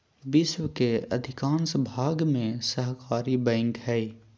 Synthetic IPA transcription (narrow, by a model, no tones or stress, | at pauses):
bɪʃwəkeə̰d̪ʱɪkãːnsbʱaːɡmẽsəɦkaːɾibɛ̃ːŋkɦɛi